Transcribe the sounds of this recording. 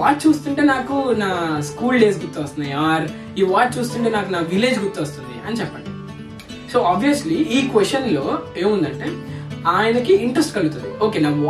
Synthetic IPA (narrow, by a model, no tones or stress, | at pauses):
aːʈ̚t͡ʃuːst̪uɳʈe̞ːnaːkunaːskuːlɖe̞ːs̬ɡuɾt̪ːuʋɐst̪unːajaːɾ | jiːʋaːʈ̚t͡ʃuːst̪uɳʈe̞ːnaːkunaːʋile̞ːd͡ʒɡut̪ːuʋɐst̪und̪ḭɐnit͡ʃɛpːɐɳɖi | so̞ːaːbʱʋijɐsliiːkʋest͡ʃɐnlo̞ːe̞ːmund̪ɐɳʈe̞ːaːjɐnɐkiiɳʈɾɐsʈkɐɭut̪und̪io̞ːkeːnaːk